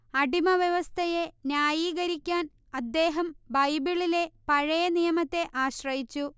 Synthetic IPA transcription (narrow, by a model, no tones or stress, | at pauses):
ɐɖimɐʋjeʋɐst̪ʰɐje̞njaːjiːɣɐɾikʲːaːn | ɐd̪ːe̞ːɦɐmbɐjbiɭile̞pɐɻɐjɐnijɐmɐt̪ːe̞ʔaːɕrɐjit͡ɕːu